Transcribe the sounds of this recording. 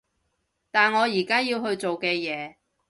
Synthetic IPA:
t̪aː˨nŋɔː˨˧jiː˨˩kaː˥jiː˧wɦɵ˧ɥt͡so˨wkɛː˧jɛː˨˧

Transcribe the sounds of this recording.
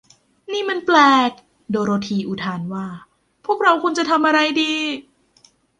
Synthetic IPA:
niː˥˩ma˧˥˧nplɛː˧k̚ | doː˧ɾoː˧t̪ʰiː˧ʔu˨˩t̪ʰaː˧nwaː˥˩ | pʰu˥˩ək̚ɾa˧wkʰu˧nt͡ɕa˨˩t̪ʰa˧mʔa˧ɾa˧jdiː˧

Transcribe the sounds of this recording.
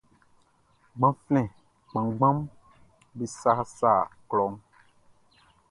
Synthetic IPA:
ɡ͡bã˦flɛ̃˨ | k͡pã˨ɡ͡bã˦m | be˨sa˦sa˦˨klɔ˨˦ŋ

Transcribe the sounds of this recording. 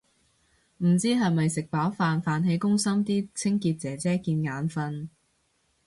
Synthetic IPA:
m̩˨˩t͡siː˥ɦɐ˨jmɐ˨jsɪ˨k̚paː˨˥wfaː˨nfaː˨˧nɦe˨˧˥jkʊ˥ŋsɐ˥mt̪iː˥t͡sʰɪ˥ŋkiː˧t̚t͡sɛː˨˥t͡sɛː˥kiː˧nŋaː˨˧˥nfɐ˧n

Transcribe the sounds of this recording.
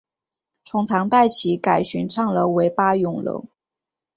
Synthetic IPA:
ʈ͡ʂʰʊ˧˥ŋt̪ʰɑ˧˥ŋt̪a˥˩ɪt͡ɕʰi˧˥ka˨˩ɪɕy˧˥nʈ͡ʂʰɑ˥˩ŋlə˧˥we˧˥ɪpa˥jʊ˨˩ŋlo̰˧˥ʊ

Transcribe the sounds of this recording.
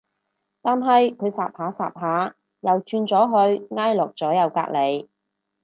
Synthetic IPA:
t̪aː˨nɦɐ˨jkʰɵ˨˧ɥsaː˨p̚haː˨˥sa̰ː˨p̚ɦaː˨˥ | jɐ˨wt͡ʃyː˧nt͡sɔː˨˥ɦɵ˧ɥŋaː˥jlɔ˨k̚t͡sɔː˨˥jɐ˨˧wka̰ː˧˥k̚le˨˧j

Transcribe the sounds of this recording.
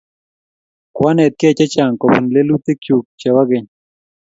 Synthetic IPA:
kwa˦nɛ˨t̪̚ke˦˨t͡ʃa˦t͡ʃa˨ŋkɔ˨bə˨nle˦lu˦t̪e˦kju˨k̚t͡ʃa˨wa˦ɡe˨ɲ

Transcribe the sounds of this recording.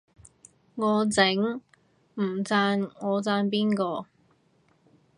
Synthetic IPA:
ŋɔː˨˧t͡sɪ˨˥ŋ | m̩˨˩t͡saː˧nŋɔː˨˧t͡saː˧npiː˥nkɔː˧

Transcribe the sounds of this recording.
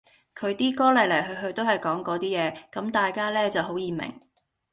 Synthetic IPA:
kʰɵ˨˧ɥt̪iː˥kɔː˥lɐ˨˩lɐ˨˩jɦɵ˧ɦɵ˧ɥt̪o˥whɐ˨jkɔː˨˥ŋkɔː˨˥t̪iː˥jɛː˨˧kɐ˨˥mt̪aː˨jkaː˥lɛː˥t͡sɐ˨wɦo˨˥wjiː˨mɪ̰˨˩ŋ

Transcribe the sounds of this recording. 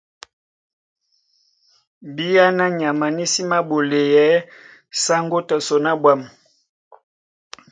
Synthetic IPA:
bi˦ja˦na˦ɲa˨ma˨ni˦si˦ma˦bo˨le˨jɛ˦ | sa˦ŋɡo˦tɔ˨so˨na˦bwa˦˨m˨

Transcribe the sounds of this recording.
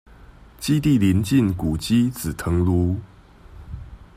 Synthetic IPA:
t͡ɕi˥˦t̪i˥˨li˧˦nt͡ɕi˥˨nku˨˩t͡ɕi˦t͡sɹ̩˨˩t̪ʰə˧˦ŋlu˦

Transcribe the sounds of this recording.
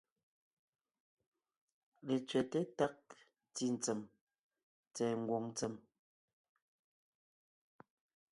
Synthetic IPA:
le˨t͡sɥɛ˨te˦ta˦k̚ | ti˦˨n̩˨t͡se˨m | t͡sɛː˨ŋ̩˦ɡwo˨ŋn˦t͡sə˨m

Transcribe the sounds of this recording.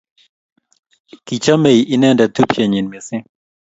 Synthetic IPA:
ki˨t͡ʃa˦me˨jʔi˦nɛ˦ndɛ˨t̪u˦pʰje˨ɲi˨nme˨sɪ˦

